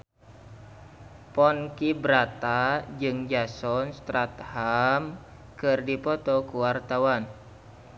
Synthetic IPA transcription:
pɔnkibɾat̪ad͡ʒɨŋd͡ʒasɔnst̪ɾat̪ham | kɨrdipɔt̪ɔkuwart̪awan

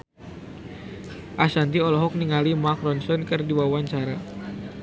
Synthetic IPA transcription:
ʔasant̪iɔlɔɦɔk̚niŋalimakɾɔnsɔnkɨrdiwawaɲt͡ʃaɾa

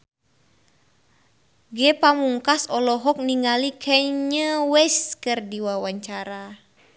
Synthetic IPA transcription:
ɡɛpamuŋkasɔlɔɦɔk̚niŋalikʰɛɲəwɛskɨrdiwawaɲt͡ʃaɾa

